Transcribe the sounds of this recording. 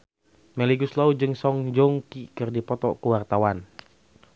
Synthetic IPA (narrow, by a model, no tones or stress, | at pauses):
mɛliɡuslaud͡ʒɨŋsɔŋd͡ʒɔŋkikɨrdipɔt̪ɔ̰kuwart̪awan